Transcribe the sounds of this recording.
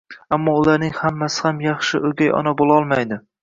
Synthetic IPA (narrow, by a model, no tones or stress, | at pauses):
amːɒʊlaɾnɪŋhamːasɪ̥hamjɑχʃɪʔɵɡʲajɒ̰nabolˠɒlˠmajd̪ɪ